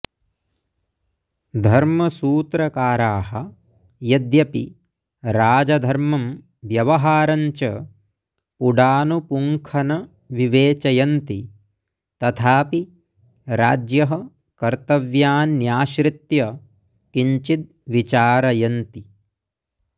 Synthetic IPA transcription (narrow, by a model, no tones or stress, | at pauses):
d̪ʱɐɾmɐsuːt̪ɾɐkaːɾaːɦɐ̆ | jɐd̪jɐpi | ɾaːd͡ʒɐd̪ʱɐɾmɐm | ʋjɐʋɐɦaːɾɐɲt͡ʃɐ | puɖaːnupuŋkʰɐnɐ | ʋiʋeːt͡ʃɐjɐnt̪i | t̪ɐt̪ʰaːpi | ɾa̰ːd͡ʒjɐɦɐ | kɐɾt̪ɐʋjaːnːjaːʃɾit̪jɐ | kiɲt͡ʃit̪̚ | ʋit͡ʃaːɾɐjɐnt̪i